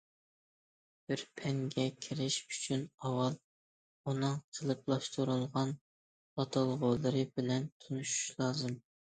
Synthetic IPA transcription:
b̥ɪɾpʰɛŋɡʲɛkʲʰɪɾɪʃyt͡ʃʰynɑwɑlˠ | unɨŋqʰəlˠɨp̚lˠɑʃt̪ʰuɾulˠʁɑn | ɑt̪ʰɑlˠʁolˠɨɾɨbɪlɛnt̪ʰunuʃu̥ʃlˠɑːzɨm

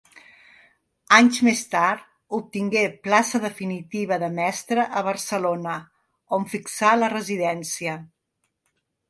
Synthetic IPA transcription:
aɲzmest̪aɾt̪ | up̚t̪iŋɡeplasəðəfinit̪iβ̞əðəmɛst̪ɾəʔəβ̞əɾsəlonə | oɱfiksalərəziðɛnsiə

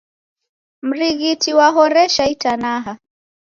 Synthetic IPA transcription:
m̩ɾiɣitiwaɦɔɾɛʃaitanaɦa

